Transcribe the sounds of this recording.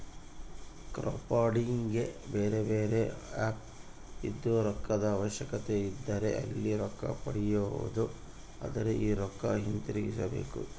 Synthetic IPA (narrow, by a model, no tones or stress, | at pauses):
kɾo̰ːpaːɖiŋɡe̞beːɾe̞beːɾe̞aːp̚ | id̪ːuɾɔkːɐd̪ɐːʋɐʃjɐkɐt̪e̞id̪ːɐɾe̞ʔɐ̰lːiɾɔkːɐ̰pɐɽijoṵd̪u | a̰d̪ɐɾeʔiːɾɔkːɐɦint̪iɾiɡisɐbe̞̰ːkṵ